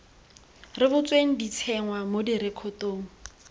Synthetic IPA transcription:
rɪbʊt͡sʼweŋ̩dit͡sʰɛŋwamodiɾɪkʰɔtoːŋ̩

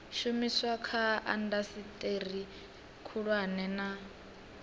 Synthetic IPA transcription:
ʃumiswakʰaa̰ndasitʼeri | kʰuɺwanɛna

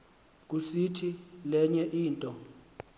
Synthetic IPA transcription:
k̬usitʰilɛɲɛʔiːntʼɔ

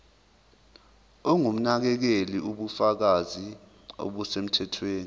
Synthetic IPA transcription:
ɔŋum̩nak̬ɛk̬eliuɓufak̬azi | o̰ɓusem̩tʰɛtʰweːni

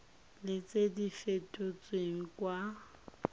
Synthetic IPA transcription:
lɪt͡sʼedifetʼot͡sʼweŋ̩kwa

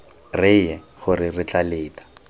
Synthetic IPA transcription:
rɪjɛ | χʊrɪrɪt͡ɬaleːtḁ

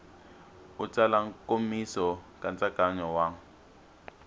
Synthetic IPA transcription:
ut͡salaŋ̩komisɔkʼant͡sʼaɡ̥ʱaɲɔwaŋ̩

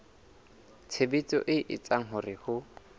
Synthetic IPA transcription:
t͡sʰebit͡sʼɔ̰ʔɪʔɪ̰t͡sʼaŋ̩ɦʊrɪhʊ

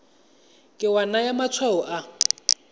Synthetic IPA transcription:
kʼɪwanajamat͡sʰwaɔʔa

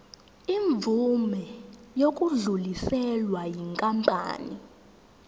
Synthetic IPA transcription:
iɱvʱumɛjok̬ʼuɮulisɛlwajiŋkʼampʼa̰ːni

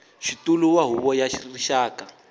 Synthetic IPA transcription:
ʃituluwaɦuβɔjaʃiririʃaːka

